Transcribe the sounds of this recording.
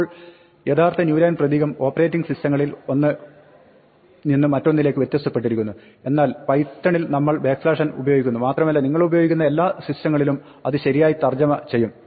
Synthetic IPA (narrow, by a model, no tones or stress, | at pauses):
ɭ | je̞ːt̪ʰaːrt̪ɐnjuːɾaːnprɐd̪iːɣɐmo̞ːpɐre̞ːtːiŋɡɨsistɐŋːɐɭilo̞nːɨ | ninːɨmɐtːo̞nːile̞ːkːɨʋet̪jɐst̪ːɐpːe̞ʈ̬ːiɾikʲːunːu | e̞nːaːlpɐjt̪ːɐɳilnɐmːɐɭbeːkslaːʂɐnṵbɐjoːɡikʲːunːumaːt̪rɐmɐlːɐniŋːɐɭubɐjo̞ːɡikʲːunːɐe̞lːaːsistɐŋːɐɭilum | ɐðɨɕɐɾijaːjit̪ɐrd͡ʑɐmɐt͡ɕe̞jːum